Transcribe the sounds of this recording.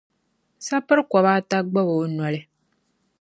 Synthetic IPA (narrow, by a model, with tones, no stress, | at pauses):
sa˦pɨ˦ɾkʷɔ˨βaː˦ta˦ɡ͡ba˦boː˨˦nɔ˨lɪ˦